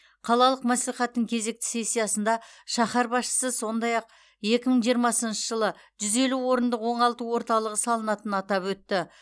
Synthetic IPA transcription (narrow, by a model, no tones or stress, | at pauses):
qʰɑlˠɑlˠəqmæsliχɑt̪ːəŋkʲʰe̞ze̞k̚t̪ɪ̥se̞sʲːijɑsənd̪ɑʃɑχɑɾbɑsʃə̥səso̞nd̪ɑjɑq̚ | je̞kʲɪməɴʒijəɾmɑsənʃəʒəlˠəʒ̥ʏze̞luwo̞ɾənd̪əqwo̞ɴɑlˠt̪əwo̞ɾt̪ɑlˠəʁəsɑlˠənɑt̪ənɑt̪ɑpwɵt̪ːɪ